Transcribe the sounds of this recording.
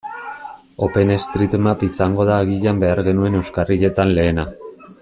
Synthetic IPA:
o̞pe̞ne̞st̪ɾit̪mapisaŋɡo̞ðaːɣiʎambe̞aɾɣe̞nue̞ne̞wskariʎe̞t̪anle̞ːna

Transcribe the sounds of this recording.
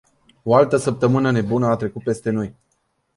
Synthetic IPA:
o̞alt̪əsəp̚t̪əmɨnəne̞bunəat̪ɾe̞kut̪̚pe̞st̪e̞no̞j

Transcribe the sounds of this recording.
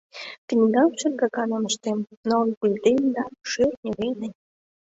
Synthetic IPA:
t̪ĭnʲɡ̪ɑmʃyrɡɑkɑnɤ̆mə̆ʃt̪emnonkulʲd̪emd̪ɑʃyrnʲĕβejnə̆nʲ

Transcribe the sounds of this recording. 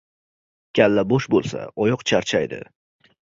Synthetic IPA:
kʲʰalːabɒʃbolˠsa̰ɒjɒqt͡ʃʰaɾt͡ʃʰajd̪ɪ̰

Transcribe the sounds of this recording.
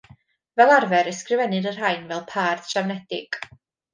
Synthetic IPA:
vɛlˠarvɛɾəskrɪvɛnɨdər̥ajnvɛlˠpʰaːrd̥ʃawnɛdɪ̰ɡ̥

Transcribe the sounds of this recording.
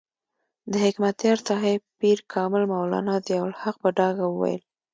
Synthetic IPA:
d̪əhɪkmat̪jɑɾt̪ɑɦepiɾkʰɑmɪlmawlɑ̰nɑd̪əjawlhaq̚pəɖɑɡawəwa̰j̰l

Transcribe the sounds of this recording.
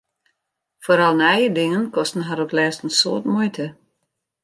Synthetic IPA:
foːɾɑlˠnɛjədɪŋənkɔstn̩ɦaɾoklɛːstən̩so̰ːtmujtə

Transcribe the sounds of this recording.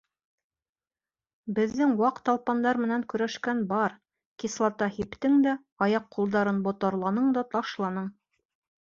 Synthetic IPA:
bɘ̆ðːɘŋwɑqt̪ɑlˠpɑnd̪ɑɾmɘ̆næŋkɵ̆ɾæʃkænbɑɾ | kislˠɑt̪ɑhipt̪ɘŋd̪æ | ɑjɑqːulˠd̪ɑɾɤnbŏt̪ɑ̆ɾlˠɑnɤɴd̪ɑt̪ɑʃlˠɑnɤɴ

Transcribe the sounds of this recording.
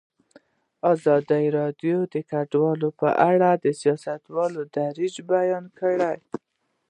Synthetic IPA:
ɑzɑd̪aɾɑdjod̪əkaɖwɑlopə̰ʔaɽad̪əsijɑsat̪wɑlod̪aɾid͡ʒbajɑnkəɽaj

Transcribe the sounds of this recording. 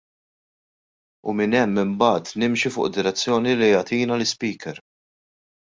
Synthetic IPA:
ʊ̰mɪnɛmːɪmbɐːt̪nɪmʃifʊ̰ːʔd̪ɪɾɛt͡sːjɔːnilijɐt̪iːnɐlɪspiːkɛɾ

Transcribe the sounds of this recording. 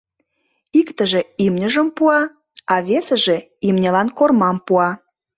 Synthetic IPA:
ikt̪ə̆ʒeimnʲəʒəmpuɑ | ɑβesəʒe̽ | imnʲelɑnkormɑmpuɑ

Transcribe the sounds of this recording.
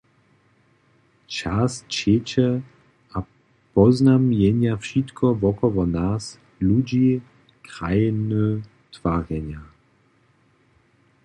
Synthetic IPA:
t͡ʃast͡ɕet͡ɕɛ | a | pɔznamjɛɲjafʃit̪kʰɔvɔkɔvɔnas | lud͡ʑi | kʁajnu | tv̥aʁjɛɲja

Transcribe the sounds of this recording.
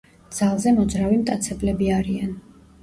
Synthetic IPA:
d̪z̥alˠzɛmɔd̪zɾavimt̪ʼat̪sʰɛblɛbiaɾian

